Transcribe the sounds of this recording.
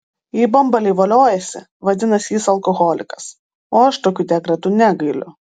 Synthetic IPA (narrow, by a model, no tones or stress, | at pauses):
jiːbɐmbɐlʲɛɪʋɐlʲoːjɛsʲɪ̰ | ʋɐd̪ʲɪnɐsʲjiːsɐlˠkɔɣɔlʲɪkɐ̥s | oːɐʃt̪oːkʲuːd̪ʲɛkɾɐt̪uːnʲæɡɐɪlʲʊ̰